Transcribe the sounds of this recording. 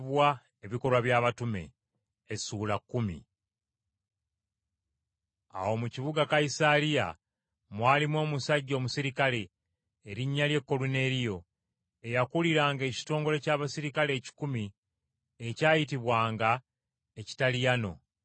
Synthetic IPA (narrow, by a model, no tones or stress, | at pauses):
βwa | e̞βiko̞ɾwaβjaːβatume̞̰ | esuːlakːumḭ | a̰wo̞muciβuɡakajisalija̰ | mwaːlimwo̞ːmusaɟːo̞ːmusiɾikale̞ː | ɾiɲːalje̞kːo̞lune̞ɾijo̞ | e̞jakuliɾaːŋɡe̞ːci̥to̞ːŋɡo̞le̞caːβasiɾikale̞ːci̥kumi | ecaːjit̬iβwaːŋɡa | eci̥talijano̞̰